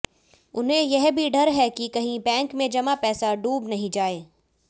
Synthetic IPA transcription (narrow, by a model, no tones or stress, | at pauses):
ʊnɦẽjɛɦbʱiɖʱɐɾɦɛkikɐɦĩbɛ̃ːŋkmẽd͡ʒɐmapɛːsaɖuːbnɐɦĩd͡ʒaːeː